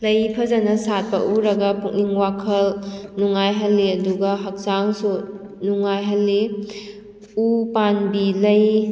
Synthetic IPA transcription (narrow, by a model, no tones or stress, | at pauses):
lɐjpʰɐzanɐsat̚pɐʔuɾɐɡɐpuk̚niŋwakʰɐlnuŋajɦɐlːiɐduɡɐɦɐk̚saŋsu | nuŋːajɦɐlːe | upanbilɐj